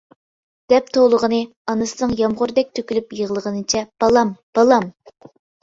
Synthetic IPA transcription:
d̪̥ɛp̚t̪ʰolˠəʁənɨ | ɑnɨsɨnɨŋjɑmʁʊɾd̪ɛk̚ʲt̪ʰøkʲylypjəʁəlˠəʁənɨt͡ʃʰɛb̥ɑlˠɑmb̥ɑlˠɑm

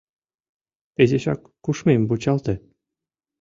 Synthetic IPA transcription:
ezʲeɕɑ̰kːuʂmʲemʲbut͡ɕɑlˠt̪ɘ̆

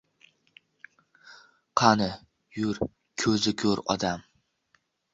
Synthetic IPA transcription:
qʰɑnɪ | jʊɾ | kʲʰɵzɪkʲʰɵɾɒ̰d̪am

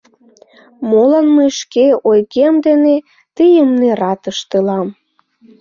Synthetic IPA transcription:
molɑnməʃkeojɣeəmd̪ene | t̪ijəmnerɑt̪əʃt̪elɑm

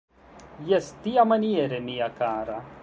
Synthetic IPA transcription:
jɐst̪iɐmɐnijeɾemijɐkaːɾɐ

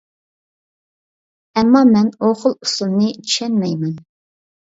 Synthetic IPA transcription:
ɛmːɑmɛnoχəlˠusulˠnɨt͡ʃʰi̥ʃɛnmɛjmɛn

